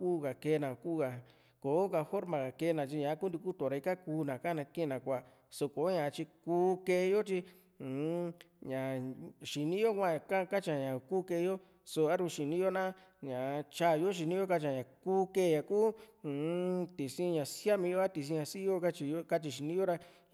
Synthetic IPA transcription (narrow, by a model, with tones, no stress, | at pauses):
kuː˦ɣa˨ke˧˦˧nã˨ku˦ɣa˧˨ | ko˨˦ka˧fo˦ɾmã˨ɣa˨ke˧˦˧nã˨t͡ʃi˧ɲã˨˦ku˦nd̪i˧ku˦t̪o˨ɾa˧i˧ka˦kuː˧˦nã˨kã˦˨nã˧kẽ˦˧nã˨kʷa˨ | so˧ko˨˦ɲã˨˧t͡ʃi˧kuː˦ke˧jo˦t͡ʃi˧˨ | ɲã˨ʃi˨nĩ˦jo˦kʷã˦˧ka˦˧ka˦t͡ʃa˨ɲã˨kuː˦ke˧jo˦ | so˧a˦ɾũ˧ʃi˨nĩ˦jo˦nã˦ | ɲã˨˧t͡ʃa˦˨˧jo˦ʃ̬i˧nĩ˦jo˦ka˧t͡ʃã˨˧ɲã˨kuː˦ke˦˨˧jã˨kuː˦˨ | t̪i˨sĩ˦˧ɲã˨sja˦mĩ˧jo˦a˦t̪i˧s̬ĩ˧ɲã˧si˦jo˦ka˦t͡ʃi˧jo˦ka˦t͡ʃi˧ʃ̬i˧nĩ˦jo˦ɾa˧